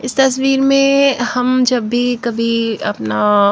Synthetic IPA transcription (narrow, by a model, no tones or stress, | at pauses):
ɪst̪ɐs̬wiːɾmẽhɐmd͡ʒɐbːikɐbʱiɐ̰pna